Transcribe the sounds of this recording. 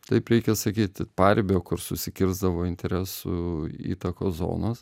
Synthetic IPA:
t̪ɐɪpɾʲɛɪkʲɛsɐkʲiːt̪ʲpɑrʲbʲoːkʊrsʊsʲɪkʲɪɾzd̪ɐʋoːɪnʲt̪ʲɛɾʲæːsʊḭːt̪ɐkoːszo̰ːnɐs

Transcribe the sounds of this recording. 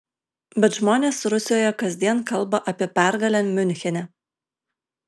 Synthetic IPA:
bʲɛt̪ʒmoːnʲeːsɾʊsʲɪjoːjɛkɐzʲd̪ʲiɛnkɐlˠbɐʔɐpʲiɛpʲæˑɾɡɐlʲɛmʲʊnʲxʲɛnʲɛ

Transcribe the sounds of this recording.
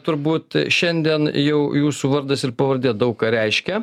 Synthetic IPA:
t̪ʊɾbuːt̪ʃʲɛnʲd̪ʲiɛnjɛʊjuːsuːʋɐɾd̪ɐsɪrpɐʋɐrʲd̪ʲiːt̪d̪ɐʊkkɑːɾʲɛɪʃʲkʲɛ

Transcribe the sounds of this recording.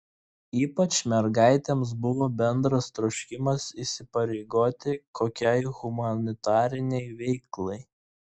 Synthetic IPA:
iːpɐt͡ʃmʲɛɾɡɑˑɪt̪ʲems̬bʊʋoːbʲɛnd̪ɾɐst̪ɾɔʊʃʲkʲɪmɐsisʲɪpɐɾʲɛɪɡoːt̪ʲɪkʰoːkʲɛɪɣʊmɐnʲɪt̪ɑːɾʲɪnʲɛɪʋʲɛɪklˠɐɪ

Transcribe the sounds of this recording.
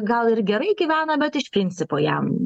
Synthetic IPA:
ɡɐlˠɪɾɡʲɛɾɐɪɡʲiːʋʲæːnɐbʲɛt̪ɪʃpʲɾʲɪnʲt̪sʲɪpoːjɛ̰m

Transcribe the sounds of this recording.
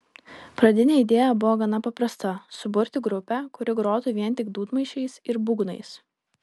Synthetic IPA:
pɾɐd̪ʲɪnʲeːid̪ʲeːjɛbʊʋoːɡɐnɐpɐpɾɐst̪ɐsʊbʊɾʲt̪ʲɪɡɾʊpʲɛkʊɾʲɪɡɾoːt̪uʋʲiɛnʲˑt̪ʲɪɡd̪uːt̪mɐɪʃʲɛɪsɪɾbʊɡnɐ̰ɪs

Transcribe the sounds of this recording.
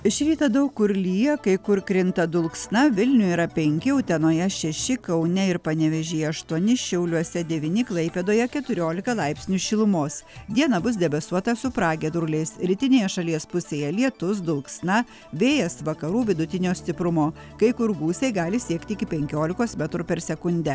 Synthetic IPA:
ɪʃʲɾʲiːt̪ɐd̪ɐʊkkːʊɾʲlʲiːjɛkɐɪkʊɾkɾʲɪnt̪ɐd̪ʊlˠksnɐʋʲɪlʲnʲʊiːɾɐpʲɛŋʲkʲɪʊt̪ʲɛnoːjɛʃʲɛʃʲɪkɐʊnʲɛɪɾpɐnʲɛʋʲɛʒʲeːɐʃt̪uɔnʲɪʃʲɛʊlʲuɔsʲɛd̪ʲɛʋʲinʲɪklˠɐɪpʲeːd̪oːjɛkʲɛt̪ʊɾʲoːlʲɪkɐlˠɑɪpʲsʲnʲuːʃʲɪlˠʊmoːsd̪ʲiɛnɐbʊsd̪ʲɛbɐsuɔt̪ɐsʊpɾɑːɡʲɛd̪ɾʊlʲɛɪsɾʲɪt̪ʲɪnʲeːjɛʃɐlʲiɛspʊsʲeːjɛlʲiɛt̪ʊs̬d̪ʊlˠksnɐ | ʋʲeːjɛsʋɐkɐɾuːʋʲɪd̪ʊt̪ʲɪnʲoːsʲt̪ʲɪpɾʊmoː | kɐɪkʊɾɡuːsʲɛɪɡɑːlʲɪsʲiɛkt̪ʲɪɪkʲɪpʲɛŋʲkʲoːlʲɪkoːsmʲɛt̪ɾupʲɛɾsʲɛkʊnʲd̪ʲɛ

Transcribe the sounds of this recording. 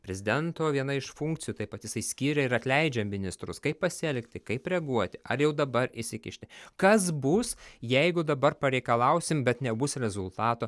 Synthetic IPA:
pʲɾʲɛzʲɪd̪ʲɛnt̪oːʋʲiɛnɐɪʃfuŋkt̪sʲɪjuːt̪ɐɪpɐt̪jɪsɐɪsʲkʲiːɾʲɛɪɾɐt̪ʲlʲɛɪd͡ʒʲɛmmʲɪnʲɪst̪ɾʊskɐɪppɐsʲɪɛlʲkt̪ʲɪkɐɪpɾʲɛɡuɔt̪ʲɪʔɐrjɛʊd̪ɐbɐɾɪʃsʲɪkʲɪʃʲt̪ʲɪkɐsbʊsjɛɪɡʊd̪ɐbɐrpɐɾʲɛɪkɐlˠɐʊsʲɪmbʲɛt̪nʲɛbʊsɾʲɛzʊlˠt̪ɑːt̪oː

